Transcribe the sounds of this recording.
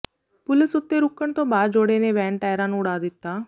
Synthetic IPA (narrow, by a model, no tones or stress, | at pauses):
pʊlɪsʊt̪ːeɾʊkːəɽ̃t̪õbaːd̪d͡ʒoːɽeneʋɛ̃ːɳʈaːjɾãːñʊɽaːd̪ɪt̪ːaː